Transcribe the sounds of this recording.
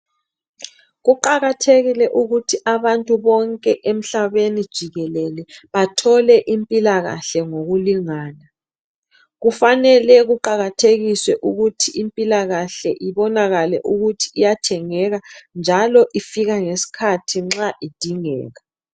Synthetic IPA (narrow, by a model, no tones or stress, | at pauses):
ɣuǃaɣatʰeɣilɛʔuɣutʰiʔaβantʼuβɔŋkʼɛʔem̩ɬaβenid̥ʒ̥ʱiɣɛlɛlɛβatʰɔlɛʔimpʼilaɣa̰ɬɛŋoɣuliŋaːna | ɣufanɛlɛɣuǃaɣatʰeɣiswɛʔuɣutʰiimpʼilaɣaɬɛʔiβɔnaɣalɛ̰ʔuɣutʰi̥ːjatʰɛŋɛɣand͡ʒʱalɔʔifiɣaŋesi̥kʰatʰiŋ͡ǁaʔid̥ʱiŋɛ̰ːɣa